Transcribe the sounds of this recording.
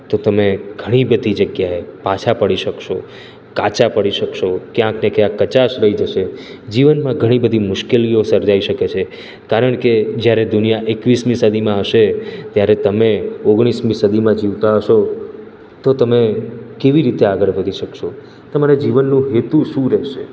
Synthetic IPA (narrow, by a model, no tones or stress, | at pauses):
t̪ot̪əmeɡʱəɽ̃ibəd̪ʱid͡ʒəɡjaepat͡ʃʰapəɽiʃəkʃo | kat͡ʃapəɽiʃəkʃokjãknekjãkːət͡ʃaʃɾəɦid͡ʒəʃe | d͡ʒiʋənmãɡʱəɽ̃ibəd̪ʱimʊʃkeliosəɾd͡ʒaiʃəket͡ʃʰe | kaɾəɳked͡ʒjaɾed̪ʊnijaʔekʋismĩsəd̪ʱimãɦəʃet̪jaɾet̪əmeoɡɽ̃ismĩsəd̪ʱimãd͡ʒiʋt̪aɦəʃo | t̪ot̪əmekeʋiɾit̪eaɡəɾʋəd̪ʱiʃəkʃo | t̪əmaɾed͡ʒiʋənːũɦet̪ũʃũɾɛɦʃe